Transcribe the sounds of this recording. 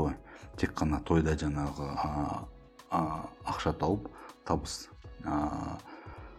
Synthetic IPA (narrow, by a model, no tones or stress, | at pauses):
lˠɑjt̪ʰe̞kqʰːɑnɑt̪ʰo̞jd̪ɑʒɑɴɑʁə | ɑqʃɑt̪ʰɑwəpt̪ʰɑbəs | ə